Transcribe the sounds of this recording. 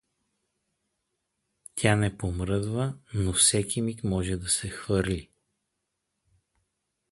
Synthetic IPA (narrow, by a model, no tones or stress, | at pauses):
t̪ʲʰanɛpomɾɤd̪vənofsɛkimik̪mɔʒɛd̪ɐsɛxvɤɾlʲi